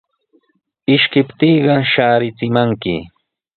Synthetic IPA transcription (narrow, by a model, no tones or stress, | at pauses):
ɪʃkɪpt̪iːɢɑʃaːɾɪt͡sɪmaŋkɪ̰